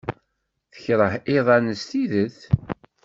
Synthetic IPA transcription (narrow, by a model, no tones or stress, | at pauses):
θə̥çɾˤəhɪðˤɑnəst̪iðəθ